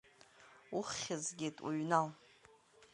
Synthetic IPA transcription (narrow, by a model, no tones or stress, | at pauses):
uχʲɪzɡʲɪtʼṵɥnal